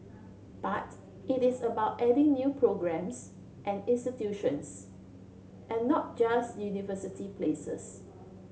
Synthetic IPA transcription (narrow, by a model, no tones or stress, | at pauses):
b̥at | ɪtɪsəbaʊtɛdɪ̃ŋnjupʰɹoɡɹɛ̃ms | ʔɛ̃nɪ̃nstitjuʃə̃ns | ʔɛ̃nːɔt̚d͡ʒastjunivəsitipʰlesə̰s